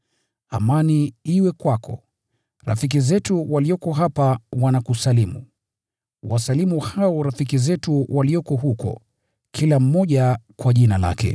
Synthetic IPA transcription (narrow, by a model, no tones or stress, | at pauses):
a̰maniiwɛkwakʰɔ̰ | ɾa̰fik̬izɛtuwaliɔkɔɦapawanakusalimu | wasalimuhaɔɾafik̬izɛtuwʔaliɔkɔɦukɔ̰ | kʰilam̩mɔʄakwaʄinala̰kɛ̰